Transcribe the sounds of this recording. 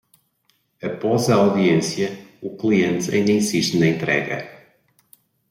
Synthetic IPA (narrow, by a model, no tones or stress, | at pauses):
ɐpɔzɐawðiẽsjɐuklˠiẽnt̪ɐ̰ĩnd̪ɐĩsiʃt̪nɐẽnt̪ɾɛ̰ɣɐ̰